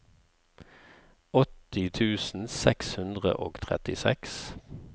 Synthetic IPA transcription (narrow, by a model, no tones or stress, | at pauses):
ɔt̪ɪt̪ʰʉːsn̩sɛkshʉnd̪ʁə̰ʔoːɡt̪ʰʁɛ̰t̪ɪsɛks